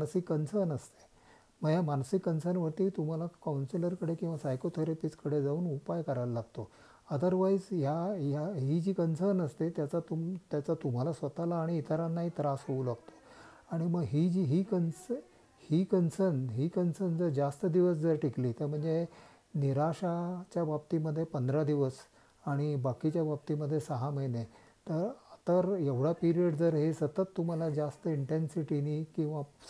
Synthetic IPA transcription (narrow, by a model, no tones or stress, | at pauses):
mansikːənsəɾnəst̪e̥ | məɡjamansikːənsəɾnʋəɾt̪iːt̪um̤alakawnsiləɾkəɽekĩw̃ʋasajkot̪ʰeɾipit͡skəɽed͡zauːnupajkəɾallaɡt̪o | əd̪əɾʋaisjajaɦid͡ʑiːkənsəɾnəst̪et̪jat͡sat̪ut̪jat͡sat̪um̤alasʋət̪alaːɽ̃iːt̪əɾanːaɦiːt̪ɾasɦouːlaɡt̪o̥ | aɽ̃iməɡɦid͡ʑiɦiːkəns | hiːkənsənɦiːkənsənd͡zəɾd͡zast̪əd̪iʋəs̬d͡zəɾʈikliːt̪eɾm̤əɳd͡ze | niɾaɕat͡ɕjabab̚t̪iməd̪ʱːjepənd̪ɾad̪iʋəs | aɽ̃ibakit͡ɕjabab̚t̪iməd̪ʱːjesəɦaməjne | t̪əɾt̪əɾeʋɽapiɾiəɽd͡zəɾɦesət̪ət̪ːum̤alad͡zast̪əiɳʈensiʈinikĩw̃ʋa